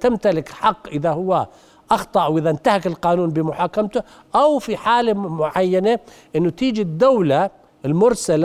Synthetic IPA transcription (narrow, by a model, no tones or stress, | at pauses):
t̪amt̪alɪkħɑqːʔɪðahʊwːa | ʔɑxt̪ˤɑʔwʔɪðaʔnt̪ahakɪlqɑːnuːnbɪmʊħaːkamt̪ʊ | ʔawfiħaːlemʊʕajːanaʔɪnːʊt̪iːd͡ʒid̪ːawla | ɪlmʊɾsala